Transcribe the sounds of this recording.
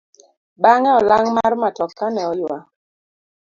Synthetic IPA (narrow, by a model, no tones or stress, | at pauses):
baŋɛɔlaŋmarmatɔkːanɛɔjwa